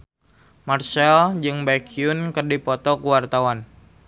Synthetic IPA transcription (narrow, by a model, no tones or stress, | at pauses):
marsɛld͡ʒɨŋbakiunkərdipɔt̪ɔkuwart̪awan